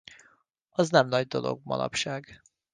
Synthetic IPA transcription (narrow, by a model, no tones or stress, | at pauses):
ɒznɛmnɒɟd̪o̞lo̰ɡmɒ̰lɒ̰pʃaːɡ